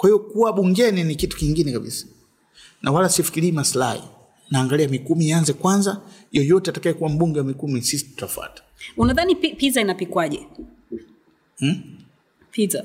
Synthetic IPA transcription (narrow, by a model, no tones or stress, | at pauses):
kwahivɔkuwaɓuŋɡɛninikitu̥kiŋɡinɛkaɓḭsḁ | nʔawalasifi̥kiliːmasla̰hḭ | naːŋɡaliamikumianzɛkwanza | jɔjɔtɛatakajɛkuwam̩ɓuŋɡɛwamikumisisi̥tu̥tafwa̰tḁunaðanipipizainapikwaʄɛ̰ | piza